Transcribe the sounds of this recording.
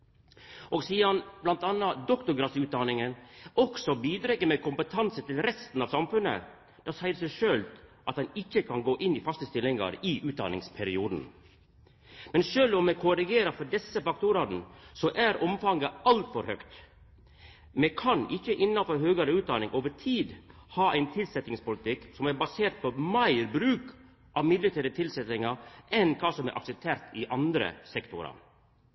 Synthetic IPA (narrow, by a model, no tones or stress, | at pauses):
ɔːɡsiːəɾɑnblɑnt̪ɑnːɑd̪ɔkt̪ʊɡɾɑsʉːt̪̚d̪ɑnɪŋənɔksɔbiːd̪ɾɛkːəɾmeːkʰʊmpət̪ʰɑnsət̪ɪlɾɛst̪n̩ɑːʋsɑmfʉnːə̰ | d̪̥ɑːsæɪəɾsɛɪʂøːlʔɑt̪̚d̪ɛnɪçːəkʰɑnɡoːʔɪnːiːfɑst̪əst̪ɪlɪŋɑ̰ɾiʔʉːd̪ɑ̰nɪ̰ŋspʰæɾɪuːd̪n̩ | mɛnʃøːlɔmːɛkʰʊɾɪɡeːɾəɾfɔɖɛsəfɑk̚t̪ʊɾɑːt̪n̩sɔʔæɾɔmfɑŋɡəʔɑlt̪fɔɾhœkt̪ | mɛkʰɑnʔɪçːəʔɪnːɑfɔɾɦøːɡɑɾəʉːt̪̚d̪ɑnɪŋʔoːʋəʈʰiːd̪ | hɑːʔæɪnt̪ʰɪlsɛt̪nɪŋspʊlɪt̪ʰɪksɔmæɾbɑseːɾʈ̪̚pʰɔmæɪɾbɾʉːk | ʔɑʋmɪd̪lət̪ʰæɾət̪ʰɪlsɛt̪ɪŋɑɾʔɛnkʰɑːsɔmæ̰ɾʔɑ̰ksɛp̚t̪ʰeːɾt̪ɪʔɑnd̪ɾə̰sɛkt̪ʊɾɑ̰ɾ